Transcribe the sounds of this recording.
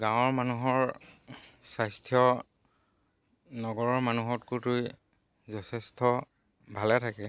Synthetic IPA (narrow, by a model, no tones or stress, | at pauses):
ɡãw̃ɔɹmanuɦɔɹ | sajstʰjɔ | nɔɡɔɹɔɹmanuɦɔtkutʊj | zɔsʰɛstʰɔ | bʱalɛtʰakɛ